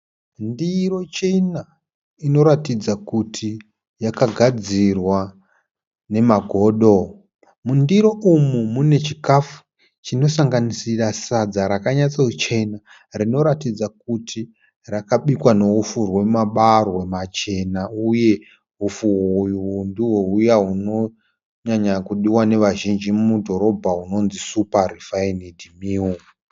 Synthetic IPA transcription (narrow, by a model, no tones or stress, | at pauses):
ndiro̞t͡ʃena | ino̞ɾatid͡zakutʰi | jakaɡʱad͡zirwa | ne̞maɡʱo̞ːɗo̞ | mundiɾo̞ʔumumune̞t͡ʃikafu̥ | t͡ʃino̞saŋɡanisirasad͡zaɾakaɲat͡saut͡ʃe̞na | rino̞ɾatid͡zak̚utʰi | rakaɓikwano̞ufurwe̞maɓarwemat͡ʃe̞nauje̞ | ɦufuɦujuundiɦoujaɦuno̞ | ɲaɲakuɗiwane̞ʋaʒind͡ʒimmudʱo̞ɾo̞bʱauno̞nzisuparifainidʱimiu